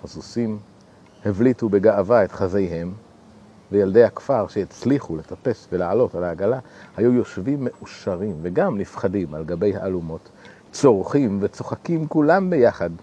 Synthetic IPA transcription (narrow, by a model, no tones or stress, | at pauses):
hazusim | hevlitube̞ɡaʔavaet̪χazejɦe̞m | vejald̪e̞jhakfaʁʃeet͡sliχule̞t̪ape̞svelaʕalo̞talaːɡalahajujo̞ʃvimːe̞ʔuʃaʁimveɡamnifχadimalɡabe̞jhaːlumo̞t̪ | t͡so̞ʁχimvet͡so̞χakimkulambe̞jaχad